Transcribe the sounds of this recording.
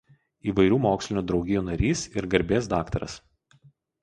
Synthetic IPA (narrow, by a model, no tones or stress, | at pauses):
iːʋɐɪɾʲuːmoːksʲlʲɪnʲuːd̪ɾɒʊɡʲɪjuːnɐɾʲiːsɪɾɡɐɾʲbʲeːsd̪ɑːkt̪ɐɾɐ̰s